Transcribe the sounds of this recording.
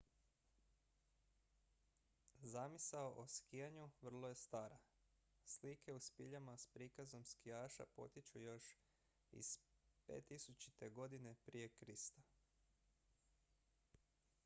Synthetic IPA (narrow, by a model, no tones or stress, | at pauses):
zamisaoʔoskijaɲuʋr̩lˠoje̞st̪aːɾa | slikʰe̞uspiʎamaspɾikazo̞mskiaːʃa̰po̞̰t̪it͡ʃujo̞ʃ | ḭspe̞̰ːt̪ːisut͡ʃi̥t̪e̞ɡo̞d̪ine̞pɾije̞kɾist̪a